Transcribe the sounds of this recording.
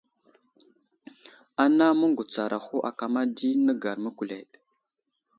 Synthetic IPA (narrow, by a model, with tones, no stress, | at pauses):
a˦na˦mə˦ŋɡu˨t͡sa˨ɾʔa˨xo˦ʔa˨ka˨ma˦di˦nə˦ɡa˨ɾmə˦ku˨le˨ɗ